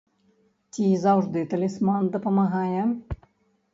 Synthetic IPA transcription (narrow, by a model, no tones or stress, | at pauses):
t͡sʲizawʐd̪ɨt̪ɐlʲɛsmand̪ɐpɐmaɣajɛ